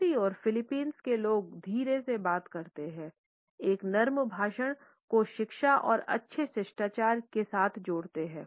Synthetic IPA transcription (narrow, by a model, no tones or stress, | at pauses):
iɔːɾfɪlɪpiːnskeloːɡ̚d̪ʱiːɾesebaːt̪kɐɾt̪eɦɛ̃ː | eːknɐɾmbʱaːʃəɽ̃ | koʃɪkʃaʔɔ̰ːɾɐ̰tːʃʰesɪʃʈaːt͡ʃaːɾkesaːt̪ʰd͡ʒoːɽt̪eɦɛ̃ː